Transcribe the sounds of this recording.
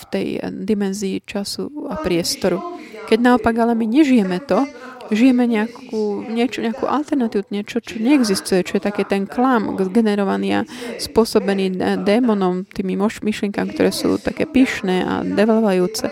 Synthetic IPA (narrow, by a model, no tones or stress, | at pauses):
ft̪ɛjd̪imɛnziːt͡ʃasṵapɾɪɛst̪ɔɾukɛɟnaɔpaɡalɛmiɲɛʒijɛmɛt̪ɔʒijɛmɛɲɛakuːɲɛt͡ʃɔɲɛakṵːʔa̰lt̪ɛɾnat̪iːuɲɛt͡ʃɔt͡ʃɔɲɛɛɡzist̪ujɛt͡ʃɔjɛt̪akɛːt̪ɛnklamɡzɡɛnɛɾɔʋaniːa̰spʊɔsɔbɛniːd̪ɛːmɔnɔmt̪iːmimɔmiʃlɪɛŋkamikt̪ɔɾʔɛːsṵːt̪akɛ̰ːpiːʃnɛːa̰d̪ɛʋɛlɔʋajuːt͡sɛ